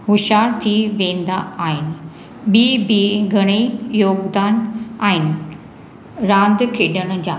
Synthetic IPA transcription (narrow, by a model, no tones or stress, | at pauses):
ɦʊʃaːɾt̪ʰiʋẽːnd̪aaːɦɪnɪ | ɓibiɡʱɐɽ̃ejoːɡd̪aːnaːɦɪnɪ̆ | ɾãːnd̪kʰeːɗəɽ̃̆d͡ʑaː